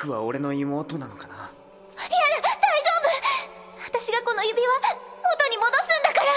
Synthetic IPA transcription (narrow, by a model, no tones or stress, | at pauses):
kɯ̟βa̰o̞ɾe̞no̞imo̞ːt̪o̞nano̞kana | ijad̪aiʑo̞ːbɯ | at̪aɕiɡako̞no̞jɯ̟bʲiβaot̪o̞ɲ̟imo̞d̪o̞sɨ̃nd̪akaɾa